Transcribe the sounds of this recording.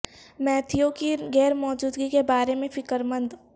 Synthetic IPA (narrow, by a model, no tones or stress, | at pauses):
mɛːt̪ʰijõkiɡɛːɾmɔːd͡ʒuːd̪ɡikebaːɾemẽfɪkəɾmə̃nd̪